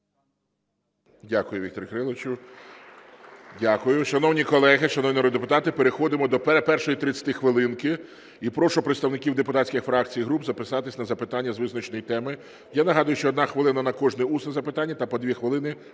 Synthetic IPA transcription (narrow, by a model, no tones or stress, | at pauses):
dʲakʊjʊʋʲikt̪ɔɾʲkɾɪlˠet͡ʃʊ | dʲakʊjʊʃɐnɔwnʲikɔlˠɛɦɪʃɐnɔwnʲiɾɔd̪d̪epʊt̪ɑt̪ɪpeɾexɔd̪ɪmɔd̪ɔpɛpɛrʃɔjit̪ɾɪt͡sʲɐ̥t̪ɪxʋɪlˠɪnkɪ | ipɾɔʃʊpɾeɪt̪st̪ɐwnɪkʲiwd̪epʊt̪ɑt̪ʲsʲkʲixfɾɑk̚t͡sʲijɦɾubzɐpɪsɑt̪ɪsʲnɐzɐpɪt̪ɑnʲːɐzʋɪznɐt͡ʃnɔjit̪ɛmɪ | janɐɦɑd̪ɐjʊʃt͡ʃɔːd̪nɑxʋɪlˠɪnɐnɐkɔʒnɛusnɛzɐpɪt̪ɑnʲːɐt̪ɐpɔd̪ʲʋʲixʋɪlˠɪnɪ